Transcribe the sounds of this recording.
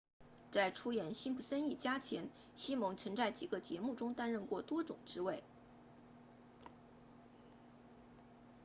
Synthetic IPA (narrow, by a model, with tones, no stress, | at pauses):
t͡sa˥˩ɪʈ͡ʂʰu˥jɛ˨˩nɕi˥npu˥˩sə˥ni˥˩t͡ɕja˥t͡ɕʰjɛ˧˥n | ɕi˥mɤ˧˥ŋt͡sʰɤ˧˥ŋt͡sa˥˩ɪt͡ɕi˨˩ɡə˧˦t͡ɕjɛ̰˧˥mu˥˩ʈ͡ʂʊ˥ŋt̪a˥nɻə˥˧nkwɔ˥˩t̪wɔ˥ʈ͡ʂʊ̰˨˩ŋʈ͡ʂɻ̩˥we˥˩ɪ